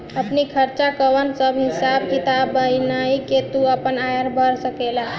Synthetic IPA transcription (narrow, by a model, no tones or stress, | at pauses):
əpnikʰəɾt͡ʃakəʋənsəbʱɦisabkit̪abəjnaiket̪uəpənajəɾbʱəɾsəkela